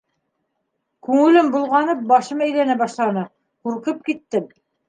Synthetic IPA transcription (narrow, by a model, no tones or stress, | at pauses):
kʉŋɘ̆lɘmbulˠʁɑnɤp̚bɑʃɤmæjlænæbɑʃlˠɑnɤ | quɾqɤp̚kit̪ːɘm